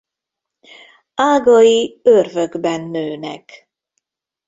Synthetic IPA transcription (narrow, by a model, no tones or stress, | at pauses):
aːɡɒjiørvøɡbɛnːøːnɛ̰k